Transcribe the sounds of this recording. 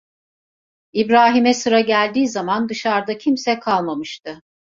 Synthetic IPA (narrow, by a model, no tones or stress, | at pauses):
ibɾaːɦimɛsɯɾaɟælʲd̪iːzamand̪ɯʃaɾd̪acʰimsɛkʰalˠmamɯʃt̪ʰɯ